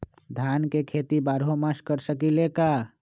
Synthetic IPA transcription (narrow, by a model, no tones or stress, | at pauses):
d̪ʱjankekʰet̪ibaːɾɦomaskəɾsəkileka